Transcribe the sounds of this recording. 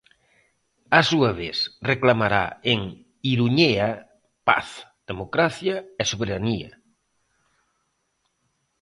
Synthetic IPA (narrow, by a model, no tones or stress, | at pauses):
asuɐβeθreklamaɾa̰eŋ | iɾuɲea | pa̰θð̥emokɾaθjɐesoβeɾaniɐ̰